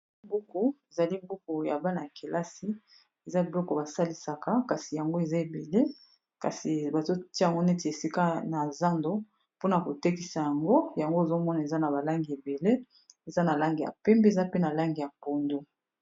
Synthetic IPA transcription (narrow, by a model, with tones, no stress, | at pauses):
bu˦ku˨e˨za˨li˦bu˦ku˨ja̰˨ba˦na˨ja˨kʰe˨lʔa˦si˦ | e˨za˦bi˨lɔ˦kɔ˨ba˨sa˦li˨sa˨ka˦ka˨si˨ja˨ŋɡo˦e˨za˦e˨be˨le˦ | ka˨si˨ba˨zo˦ti˦ja˨ŋɡo˦ne˦te˨e˨si˦ka˦na˨za˦ndo˦ | po˦na˨ko˨te˦ki˨sa˨ja˨ŋɡo˦ja˨ŋɡo˦e˨zo˦mɔ˦na˨e˨za˦na˨ba˨la˦ŋɡi˨e˨be˨le˦ | e˨za˦na˨la˦ŋɡi˨a̰˨pɛ˦mbe˦e˨za˦pe˦na˨la˦ŋɡi˨ja˨po˨ndo˦